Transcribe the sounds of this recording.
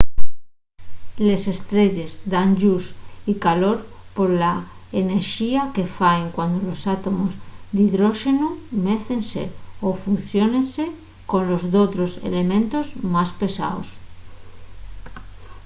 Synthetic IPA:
le̞se̞st̪ɾe̞ʎe̞zd̪aŋʎusikalo̞ɾ | po̞ɾla | ene̞ɾʃiake̞faeŋkwand̪olo̞sat̪o̞mozd̪iðɾoʃe̞nume̞θe̞nse̞̰ofunθjo̞ne̞nse̞ | ko̞nlo̞zðot̪ɾo̞se̞̰le̞mẽnt̪o̞zmaspe̞sa̰os

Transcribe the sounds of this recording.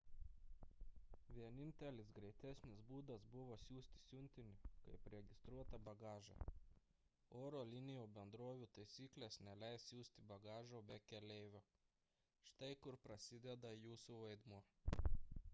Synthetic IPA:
ʋʲiɛnʲɪnʲt̪ʲɛlʲɪsɡɾʲɛɪt̪ʲæsʲnʲɪsbuːd̪ɐsbʊʋoːsʲuːsʲt̪ʲɪ̥sʲʊnʲt̪ʲɪnʲɪkɐɪpɾʲɛɡʲɪst̪ɾuɔt̪ɐbɐɡɑːʒɛ̰ | oːɾoːlʲɪnʲɪjoːbʲɛnd̪ɾoːʋʲuːt̪ɐɪsʲiːklʲeːsnʲɛlʲɛɪsjʲuːsʲt̪ʲɪbɐɡɑːʒoːbʲɛkʲɛlʲɛɪʋʲoː | ʃt̪ɐɪkʊɾpɾɐsʲɪd̪ʲɛd̪ɐjuːsuʋɐɪd̪muɔ

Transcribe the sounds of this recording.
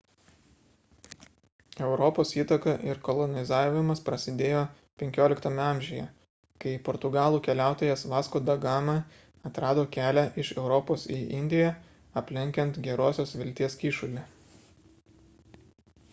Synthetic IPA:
ɛʊɾɔpoːsiːt̪ɐkɐʔɪɾkɔlˠɔnʲɪzɑːɪmɐspɾɐsʲɪd̪ʲeːjoː | pʲɛŋʲkʲoːlʲɪkt̪ɐmʲɛɑˑmʲʒʲɪjɛ | kɐɪpɔɾt̪ʊɡɑːlˠuːkʲɛlʲæˑʊt̪oːjɛsʋɑːskoːd̪ɐɡɑːmɐ | ɐt̪ɾɑːd̪oːkʲæːlʲæʔɪʃɛʊɾɔːpoːsiːʔɪnʲd̪ʲɪjæ | ɐpʲlʲɪŋʲkʲɛnt̪ɡʲɛɾoːsʲoːsʋʲɪlʲt̪ʲiɛskʲiːʃʊlʲɪ

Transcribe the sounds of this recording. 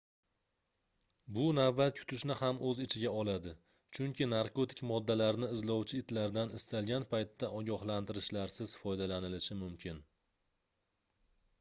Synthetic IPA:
bʊnavːat̪̚kʲʰʊ̥t̪ʰɪʃnɪhamɵzɪt͡ʃʰɪɡʲaɒlad̪ɪ | t͡ʃʰʊŋʲkʲʰɪnaɾkot̪ɪ̥kʲmɒd̪ːalaɾnɪɪzlɒwt͡ʃʰɪɪt̪laɾd̪anɪst̪alˠɡʲanpʰajt̪ːaʔɒɡʲɒhlant̪ɪɾɪʃlaɾsɪz̥fɒjd̪alanɪlɪʃɪmʊmkʲʰɪn

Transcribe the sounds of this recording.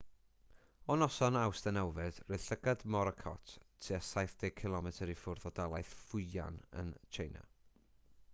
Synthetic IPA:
ɔnɔsɔnawsd̥ənɛwvɛd̥reɬəɡadmɔɾəkʰɔ̰tʰtʰːiasajθd̥ɛkʰɪlˠɔmɛtʰəɾifʊrðɔdalˠajθfʊɨa̰nə̰nt͡ʃʰejna̰

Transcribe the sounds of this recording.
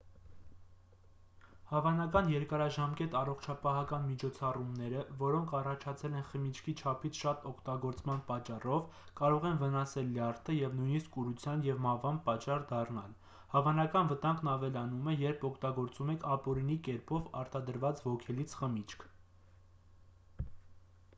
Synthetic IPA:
hɑvɑnɑkɑnjɛɾkɑɾɑʒɑmkɛt̪ɑrɔχt͡ʃʰɑpɑɦɑkɑnmit͡ʃʰɔt͡sʰɑrumnɛɾəvɔɾɔŋkʰɑrɑt͡ʃʰɑt͡sʰɛlɛnχəmit͡ʃʰkʰit͡ʃʰɑpʰit͡sʰʃɑt̪ɔkʰt̪ɑɡɔɾt͡smɑnpɑt͡ʃːɑrɔv | kɑɾɔʁɛnvənɑsɛlːjɑɾt̪ʰəjɛvnujniskuɾut͡sʰjɑnjɛvmɑvɑnpɑt͡ʃɑrd̪ɑrnɑl | hɑvɑnɑkɑnvət̪ɑŋɡnɑvɛlɑnumɛjɛɾpʰɔkʰt̪ɑɡɔɾt͡sumɛkʰɑpɔɾinikɛɾpɔvɑɾt̪ɑd̪əɾvɑt͡svɔkʰɛlit͡sʰχəmit͡ʃʰkʰ

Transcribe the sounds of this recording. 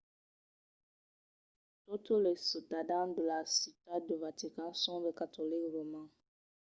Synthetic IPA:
totolesətadandəlasitadəvatikãnsɔ̃bekatolikɾomã

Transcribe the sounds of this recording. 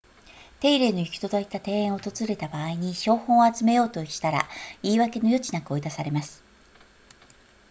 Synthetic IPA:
t̪e̞iɾe̞ːno̞i̥kʲi̥t̪o̞d̪ait̪at̪ẽ̞ːẽɰ̃ot̪o̞zɨɾe̞t̪abaːiɲ̟iɕo̞ːhõ̞ɰ̃oat͡sɨme̞jo̞ːt̪o̞ikʲi̥t̪aɾa̰iːβake̞no̞jo̞t͡ɕinakɯ̟o̞id̪asaɾe̞masɨ̥

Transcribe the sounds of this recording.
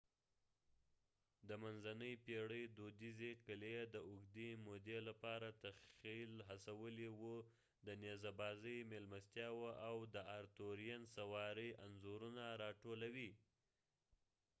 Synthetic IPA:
d̪əmanzanəjpeɽəjd̪od̪izekəled̪əʊɡd̪emod̪elapɑɾat̪axilɦasawəlewu | d̪ənezabɑzəjmelmast̪jɑwaʔawd̪əaɾt̪oɾijansawɑɾəjʔanzoɾunaɾɑʈolawi

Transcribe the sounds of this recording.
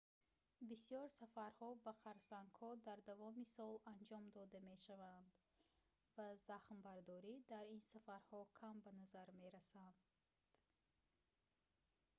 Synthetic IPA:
bisijɔɾsafaɾhɔbaqʰaɾsaŋkʰhɔd̪aɾd̪avɔmisɔland͡ʒɔmd̪ɔd̪ame̞ʃavand̪ | vazaχmbaɾd̪ɔɾid̪aɾinsafaɾhɔkʰambanazaɾmeɾasand̪ | d̪̥

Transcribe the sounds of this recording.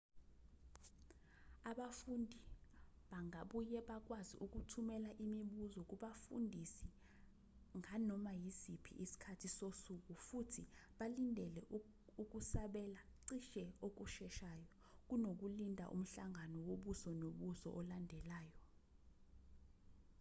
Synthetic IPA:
aɓafundʱi | ɓaŋʱaɓujɛɓak̬ʼwazḭʔuk̬utʰumɛlaʔimiɓuzɔk̬uɓafundʱisi | ŋanɔmajisipʰḭʔisi̥kʰatʰisosuk̬ʼufutʰiɓalindʱɛlɛ | uk̬usaɓɛlaǀiʃɛok̬uʃɛʃaːjɔ | k̬unok̬ulindʱa̰ʔṵm̩ɬaŋanɔwoɓusɔnoɓusɔ̰ʔɔlandʱɛlaːjɔ

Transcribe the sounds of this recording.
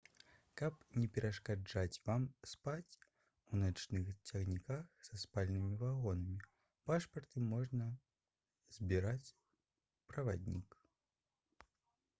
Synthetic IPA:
kɐpnʲɛpʲɛɾɐʂkad͡ʐat͡sʲvamspat͡sʲ | unat͡ʃnɨxt͡sʲaɣnʲikaxsɐspalʲnɨmʲivaɣɔnɐmʲi | paʂpɐrt̪ɨmɔʐnɐ | z̥ʲbʲiɾat͡sʲ | pɾɐvad̪ʲnʲik

